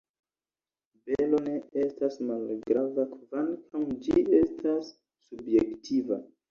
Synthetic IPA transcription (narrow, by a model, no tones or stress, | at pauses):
belo̞ne̞e̞stasmalɡɾavakvankʰawd͡ʒie̞stʰasː | ubje̞ktʰiva̰